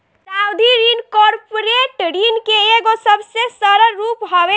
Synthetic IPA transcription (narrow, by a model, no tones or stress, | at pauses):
sawd̪ʱiɾinkɔɾpoɾeʈɾinkeeɡosəbʱsesəɾəɾupɦobe